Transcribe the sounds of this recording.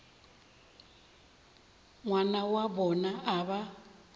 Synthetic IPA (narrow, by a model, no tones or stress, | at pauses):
ŋwanawabɔnaʔaβa